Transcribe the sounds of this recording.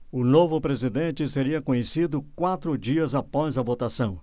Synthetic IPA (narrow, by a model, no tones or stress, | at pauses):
ʊnovʊpɾezid̪ẽnt͡ʃɪseɾiɐkõɲesid̪ʊkwat̪ɾʊd͡ʒiɐzapɔzɐvot̪asɐ̃w̃